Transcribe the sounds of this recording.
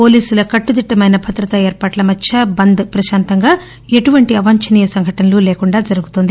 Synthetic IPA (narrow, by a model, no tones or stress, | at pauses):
po̞ːliːsulɐkɐʈːud̪iʈːɐmɐjnɐbʱɐt̪ɾɐt̪ɐeːɾpaːʈlɐmɐt͡ʃːt͡ʃʰːɐbɐnd̪pɾɐʃaːnt̪ɐŋɡaː | e̞ʈuʋɐɳʈiɐʋaːɲt͡ʃɐniːjɐsɐŋɡʱɐʈɐnɐluːleːkuɳɖaːd͡ʒɐɾuɡut̪ond̪i